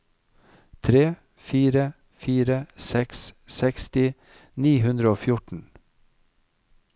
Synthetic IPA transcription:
t̪ʰɾeː | fiːɾə | fiːɾəsɛkssɛkst̪ɪ | niːhʉnd̪ɾəoːfjʊʈɳ̩

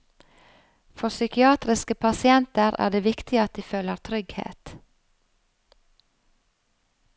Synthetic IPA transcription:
fɔʁsʏkɪɑːt̪ɾɪskəpʰɑsɪɛnt̪əʁʔæ̰ːd̪eːʋɪkt̪ʰɪɑt̪̚d̪iːføːləʁt̪ʰɾʏɡhḛːt̪

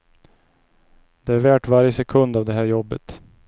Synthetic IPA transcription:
d̪ɛæɾvæːʈvaɾjəsɛkʰɵnd̪avd̪ɛɦæːɾjɔbːət̪

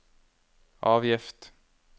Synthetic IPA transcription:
ʔɑːvjɪft̪

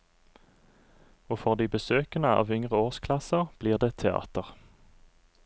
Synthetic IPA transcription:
oːfɔʁd̪iːbəsøːkənəɑ̰ːʋʏŋʁəoːʁskʰlɑsəʁb̥liːʁd̪eːt̪ʰɛɑ̰ːt̪əʁ

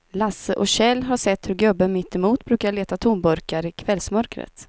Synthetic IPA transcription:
lasəʔɔɕɛlːɦaʂɛt̪ːhɵɾɡœbːəmɪt̪ːɛmuːt̪bɾʉ̟ːkaɭeːt̪at̪ʰumbœɾkaɾɪkʰvɛlsmœɾkɾə̰t̪

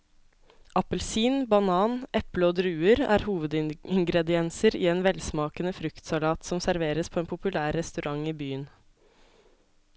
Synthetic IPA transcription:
ʔɑpəlsiːnbɑnɑːnʔɛpləoːd̪ɾʉːəɾæ̰ːɾhuːʋəd̪ɪɪŋɡɾɛd̪ɪɛnsəɾḭːeːnʋɛlsmɑːkənəfɾʉkt̪sɑlɑːt̪sɔmsæɾʋeːɾəspʰoːeːnpʰʊpʉlæːɾːɛst̪ʉɾʔɑŋiːbyːən

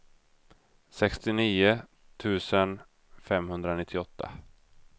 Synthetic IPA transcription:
sɛkst̪ɪniːʊ | t̪ʰʉ̟ːsən | fɛmhɵnd̪ɾanɪt̪ʰːɪɔt̪ʰːa̰

